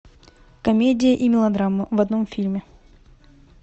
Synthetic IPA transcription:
kɐmʲedʲɪjəʔimʲɪlˠɐd̪ɾamːəvɐd̪no̞mfʲilʲmʲɪ

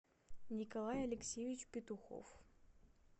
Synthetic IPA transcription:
nʲɪkɐlˠajɐlʲɪksʲevʲɪt͡ɕpʲɪt̪ʊxo̰f

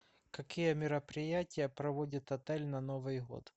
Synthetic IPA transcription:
kɐkʲijəmʲɪɾɐpɾʲɪjatʲɪjɐpɾɐʋodʲɪt̪ɐt̪ɛlʲnɐnovɨjɦo̰t̪

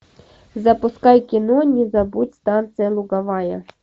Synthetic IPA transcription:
zɐpʊskɑjkʲɪnɔnʲizɐbutʲst̪ɑnt̪sɨjɐlˠʊɡɐʋɑjɐ

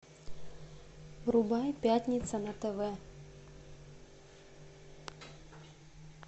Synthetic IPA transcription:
ɾubajpʲatʲnʲit̪sɐnɐt̪ɛvɛ

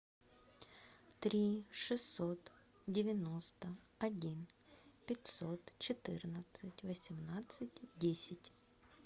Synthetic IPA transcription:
t̪ɾʲiʂɨsːot̪ | dʲɪvʲɪnost̪ə | ɐdʲinpʲɪtʲsot̪t͡ɕɪt̪ɨrnət̪sɨtʲvəsʲɪmnat̪sɨtʲdʲesʲɪtʲ

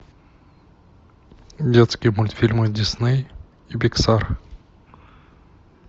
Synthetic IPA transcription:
dʲet̪skʲɪjəmʊlʲt̪fʲilʲmɨdʲɪsnɨj | ibʲɪksar

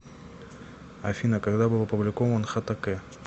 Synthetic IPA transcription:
ɐfʲinəkaɡd̪abɨlˠɐpʊblʲɪkovənxat̪akɛ

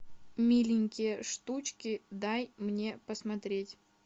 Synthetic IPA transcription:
mʲilʲɪnʲkʲɪjəʂt̪ut͡ɕkʲɪd̪ajmnʲe̞pəsmɐt̪ɾʲetʲ

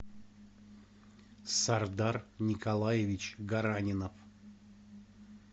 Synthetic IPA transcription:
sard̪arnʲikalˠajevʲit͡ɕɡaɾanʲɪnəf

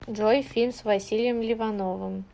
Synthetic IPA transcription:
ʐojfʲinsvɐsʲilʲɪjəmlʲɪvɐnovɨm

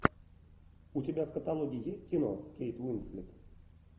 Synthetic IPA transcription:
utʲɪbʲavkət̪alˠoɡʲijijesʲtʲkʲino̰skʲejt̪winslʲit̪

